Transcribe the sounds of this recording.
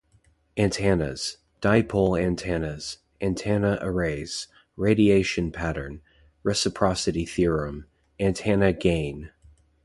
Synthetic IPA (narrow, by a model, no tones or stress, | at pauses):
æ̃ntʰænɨ̰z̥ | d̥aɪpʰolˠæ̃ntʰænɨz̥ | ʔæ̃ntʰænəʔə˞eɪz̥ | ɹeɪɾieɪʃɨ̃npʰæɾə̰̃˞n | ɹɛsɨpʰɹ̥ɑsɨɾiθiɹɨ̃m | æ̃ntʰænɨɡẽɪ̃n